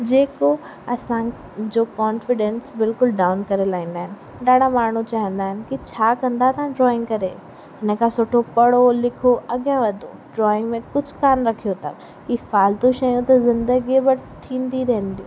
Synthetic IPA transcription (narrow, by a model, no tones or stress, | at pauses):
d͡ʑeːko | ɐsã | d͡ʑoːkɔːnfɪɖẽnsbɪlkʊlɖaːʊnkɐɾelaːɦĩːnd̪aːɦɪnɪ̆ | ɗaːɽʱamaːɳ̤ut͡ɕaːɦə̃nd̪aːɦɪnɪ̆kit͡ɕʰaːkɐ̃nd̪at̪ɐãɖɾɔːɪ̃ŋɡkɐɾe | ɦɪnə̆kʰãsoːʈʰopɐɽolɪkʰoʔɐɠjãʋɐd̪ʱo | ɖɾɔːɪ̃ŋɡmẽkʊd͡ʑʱkaːnɾɐkʰijot̪ʰɐ̰m | iːfaːlt̪uʃɐjũt̪ɐzɪ̃nd̪əɡibɐɾt̪ʰĩːnd̪iɾɐɦə̃nd̪ijũː